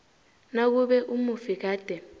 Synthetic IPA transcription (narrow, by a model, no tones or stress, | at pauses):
nak̬uɓɛʔumufik̬aːd̥ʱɛ